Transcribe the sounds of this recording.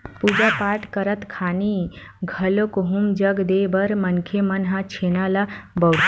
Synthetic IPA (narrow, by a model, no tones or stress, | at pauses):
pud͡ʑapaʈkəɾət̪kʰani | ɡʱəlokoɦumd͡ʒəɡd̪ebəɾmənkʰemənɦat͡ɕʰenalabəw